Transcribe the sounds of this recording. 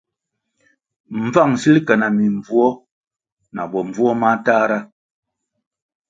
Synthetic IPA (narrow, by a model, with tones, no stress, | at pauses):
m̩˨b͡va˦˨ŋsi˦li˦kɛ˨na˨mi˨ɱ˨b͡vu˦ɔ˦ | na˨bɔ˨ɱ˨b͡vu˦ɔ˦ma˦taː˦ɾa˦